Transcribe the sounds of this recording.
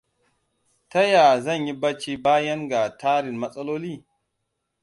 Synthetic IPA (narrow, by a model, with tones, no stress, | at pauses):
tɐ˦ja˨zɐ˦˨ɲji˦ba˦t͡ʃi˦baː˦jɐ˦ŋɡa˨tʰaː˦ɾɪ˨nmɐ˦sʼɐ˦loː˦liː˦˨